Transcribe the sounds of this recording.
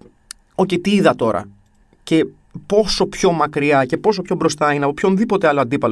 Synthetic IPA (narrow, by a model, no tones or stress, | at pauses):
o̞cet̪iiðɐt̪o̞ɾɐ̰ | ce̞ | po̞so̞pço̞mɐkɾiɐce̞po̞s̬o̞pço̞bɾo̞st̪ɐineɐpo̞pço̞nðipo̞t̪eɐlo̞ɐnd̪ipɐl